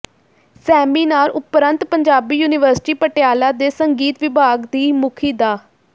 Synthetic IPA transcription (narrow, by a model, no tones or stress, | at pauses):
sɛːmiːnaːlʊpɾə̃nt̪pəɲd͡ʒaːbiːjuːnɪʋəɾsɪ̥ʈiːpəʈɪjaːlaːd̪eːsəŋɡiːt̪ʋɪbʱaːɡd̪iːmʊkʰiːd̪aː